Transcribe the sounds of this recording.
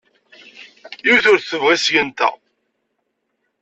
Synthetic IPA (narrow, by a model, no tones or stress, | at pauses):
iwθʊɾθθəvʁisjənt̪æ̰